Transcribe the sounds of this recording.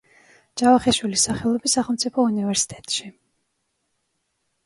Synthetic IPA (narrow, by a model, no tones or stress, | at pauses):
d͡ʒavaχɛʃwilisaχɛlˠɔbisːaχɛlˠmt̪sʰʼipʰɔunivɛɾsi̥t̪ʼɛt̪ʼʃi